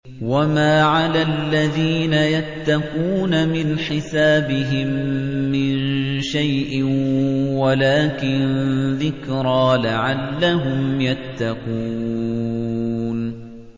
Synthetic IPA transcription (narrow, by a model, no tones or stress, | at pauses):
wamaːʕalaːlːaðiːnajat̪ːaquːnamɪnħɪsaːbɪɦɪmːɪnʃajʔɪnwalaːkɪnðɪkɾɑːlaʕalːaɦʊmjat̪ːaquː | n